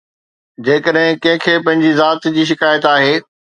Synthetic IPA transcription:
d͡ʑeːkəɗɦɪ̃kɐ̃ɦɪ̃kʰeːpɐ̃ɦɪ̃ɲd͡ʑizaːt̪d͡ʑiːʃ̬ɪkaːjət̪aːɦeː

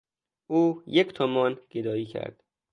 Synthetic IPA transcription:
uːjecʰt̪ʰomɒːnɡ̥ed̪ɒːiːcʰæ̰ɾd̪̥

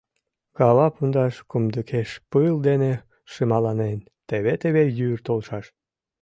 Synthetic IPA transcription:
kɑβɑpund̪ɑʃkumd̪əkʰeʃpɨld̪ene | ʃɨmɑlɑnen | t̪eβet̪eβejyrt̪olʃɑʃ

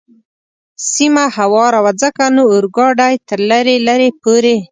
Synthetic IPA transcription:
simahawɑɾawad͡zəkanoːɾɡɑɖajt̪əɾlaɾelaɾepoɾe

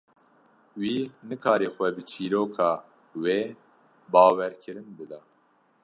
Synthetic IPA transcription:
wiːnɨkʰɑːɾeːxʷɛbɨt͡ʃʰiːɾoːkʰɑː | weː | bɑːwɛɾkʰɨɾɨnbɨd̪ɑː

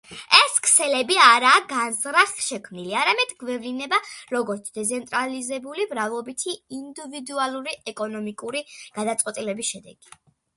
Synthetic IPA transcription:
ɛskʰsɛlɛbiaɾaːɡanzɾaχʃɛkʰmniliaɾamɛd̪ɡvɛvlinɛbaɾɔɡɔɾt̪sʰd̪̥ɛt̪sʰɛnt̪ʼɾalizɛbulimɾavlˠɔbit̪ʰiind̪ivid̪ualˠuɾiɛkʼɔnɔmikʼuɾiɡ̥ad̪at̪sʼqʼwɛt̪ʼilɛbisʃɛd̪ɛ̰ɡ̥i

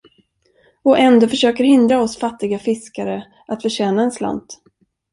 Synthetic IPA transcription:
ɔʔɛnd̪oːfœʂøːkəɾhɪnd̪ɾaɔsfat̪ːɪɡafɪskaɾə | ʔat̪fœɕɛːnaɛnsla̰nt̪

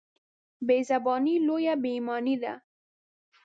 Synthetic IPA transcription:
bezabɔnilojabemɔnid̪a̰

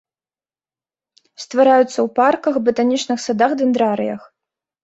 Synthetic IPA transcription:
st̪vaɾajut̪sːɐwparkɐxbɨt̪anʲit͡ʂnɨxsad̪axd̪ɨnd̪ɾaɾɨ̰jɐ̰x

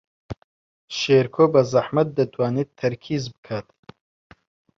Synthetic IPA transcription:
ʃeːɾkʰoːbɐzɐħmɐt̪̚d̪ɐt̪ʰwaːneːt̪̚t̪ʰːɐɾkʰiːzbɨ̥kʰaːt̪

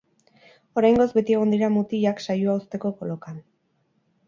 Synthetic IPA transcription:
o̞ɾajŋɡo̞zbe̞t̪ie̞ɣ̞o̞nd̪iɾamut̪iʎaksajuaust̪e̞ko̞ko̞lo̞kan

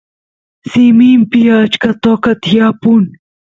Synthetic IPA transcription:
siːmiːmpijat͡ʃkɐt̪oːkɐt̪ʰijaːpun

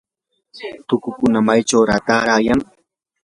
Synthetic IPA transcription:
t̪ʊkʊkʊnamajt͡ʃawɾat̪aːɾaːjaŋ

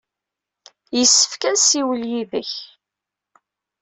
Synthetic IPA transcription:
jəsːə̥fkænsiwəljiðəç

